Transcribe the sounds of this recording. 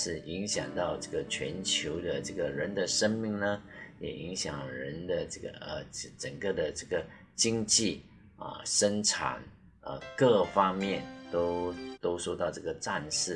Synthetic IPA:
ʂɻ̩˥˩i˧˥ŋɕjɑ̰˨˩ŋt̪ɑ˥˧ʊʈ͡ʂɤ˥˩ɡə˨t͡ɕʰɥɛ̰˧˥nt͡ɕʰjo˧˥ʊd̪ə˧ʈ͡ʂɤ˥˩ɡə˨˩ɻə˧˦˥nd̪ə˨ʂə˥nmi˥˩ŋnə˧jɛ̰˨˩ʔi˧˥ŋɕjɑ̰˨˩ŋɻə˧˥nd̪ə˧ʈ͡ʂɤ˥˩ɡə̰˩ə˧˥˩ʈ͡ʂə˨˩ŋkə˥˩d̪ə˩ʈ͡ʂɤ˥˩ɡə˩ | t͡ɕi˥ŋt͡ɕi˥˩ | ə̰˧˩ʂə˥nʈ͡ʂʰa̰˨˩˦n | ə̰˧˩kɤ˥˩fɑ˥ŋmjɛ˥˩nt̪o˥ʊt̪o˥ʊʂo˥˧ʊt̪ɑ˥˧ʊʈ͡ʂɤ˥˩ɡə˩ʈ͡ʂa˥˧nʂɻ̩˥˩

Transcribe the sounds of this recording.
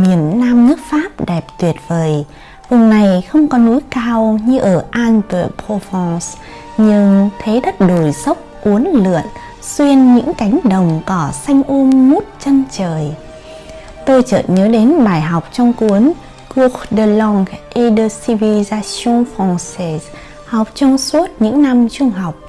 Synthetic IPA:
mi˧˩ənːaː˧mnɨ˦˥ək̚faː˦˥p̚ɗɛ˨˩p̚t̪wi˨˩ət̚vəː˨˩j | vʊ˨˩ŋ͡mna˨˩jxə˧wŋ͡mkɔ˨˦nu˨˦jkaː˧wɲɨ˧ʔəː˧˩ʔaː˧npə̰˧˨˩pʰo˧fɔ˧s | ɲɨ˧ŋt̪ʰe˨˦ɗə˦˥t̚ɗo˧˩jsə˦˥wk͡p̚ʔu˨˦ənlɨ̰˧˨ən | swi˧ənɲɨ̰˧˥ŋka˨˦jŋ̟ɗə˨˩wŋ͡mkɔ˨˦sa˧jŋ̟ʔu˧mmu˦˥t̚t͡ɕə˧nt͡ɕəː˨˩j | t̪o˧jt͡ɕə̰ː˧˨˩ɲəː˨˦ɗe˨˦nɓaː˧˩jɦa˨˩wk͡p̚t͡ɕɔ˧wŋ͡mku˨˦ən | ku˨˩xɗə˨˧˩lɔ˧ŋʔi˧ɗəː˧si˧vi˧zaː˧so˧nfɔ˧nse˧z | ha˨˩wk͡p̚t͡ɕɔ˧wŋ͡msu˦˥ət̚ɲɨ̰˧˥ŋna˧mt͡ɕʊ˧ŋ͡mɦa˨˩wk͡p̚

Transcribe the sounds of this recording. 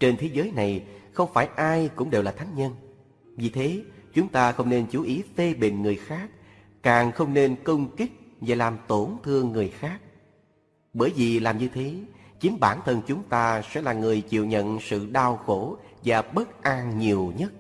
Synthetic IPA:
t͡ɕe˧nt̪ʰe˨˦zəː˨˦jna˨˩jxə˧wŋ͡mfaː˧˩jʔaː˧jkʊ̰˧˥ŋ͡mɗe˨˩wlaː˨˩t̪ʰa˨˦jŋ̟ɲə˧n | vi˨˩t̪ʰe˨˦t͡ɕʊ˨˦ŋ͡mt̪aː˧xə˧wŋ͡mne˧nt͡ɕu˨˦ʔi˨˦fe˧ɓḭ̈˧˨ŋ̟ŋɨ˨˩əjxaː˦˥k̚ | kaː˨˩ŋxə˧wŋ͡mne˧nkə˧wŋ͡mkï˦˥k̚vaː˨˩laː˨˩mt̪o˧˩nt̪ʰɨ˧əŋːɨ˨˩əjxaː˦˥k̚ | ɓəː˧˩jvi˨˩laː˨˩mɲɨ˧t̪ʰe˨˦t͡ɕi˨˦ŋɓaː˧˩nt̪ʰə˧nt͡ɕʊ˨˦ŋ͡mt̪aː˧sɛ̰˧˥laː˨˩ŋɨ˨˩əjt͡ɕḭ˧˨əwɲə̰˧˨nsɨ̰˧˨ɗaː˧wxo˧˩ | vaː˨˩ɓə˦˥t̚ʔa˧ŋɲi˨˩əwɲə˦˥t̚

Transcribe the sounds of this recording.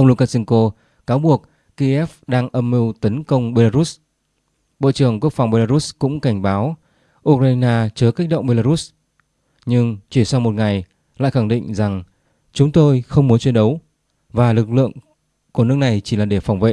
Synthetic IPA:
ʔə˧wŋ͡mlu˧kaː˧sɛ˧ŋko˧ | kaː˨˦wɓu˨˩ək̚ | ki˧ʔɛ˦˥fɗaː˧ŋʔə˧mːi˧wt̪ə˨˦nkə˧wŋ͡mɓe˧laː˧ɾu˦˥s | ɓo̰˧˨t͡ɕɨ˨˩əŋku˦˥ək̚fa˨˩wŋ͡mɓe˧laː˧ɾu˦˥kʊ̰˧˥ŋ͡mka˧˩jŋ̟ɓaː˨˦w | ʔu˧k̚ɾaː˧naː˧t͡ɕəː˨˦ka˦˥k̟̚ɗo̰˧˨wŋ͡mɓe˧laː˧ɾu˦˥s | ɲɨ˧ŋt͡ɕi˧˩sa˧mo˨˩t̚ŋa˨˩j | la̰ː˧˨jxa˧˩ŋɗḭ˧˨ŋ̟za˨˩ŋ | t͡ɕʊ˨˦ŋ͡mt̪o˧jxə˧wŋ͡mmu˨˦nt͡ɕwi˨˧˦nɗə˨˦w | vaː˨˩lɨ˨˩k̚lɨ̰˧˨əŋ | ku˧˩ənɨ˦˥ək̚na˨˩jt͡ɕi˧˩laː˨˩ɗe˧˩fa˨˩wŋ͡mvḛ˧˨

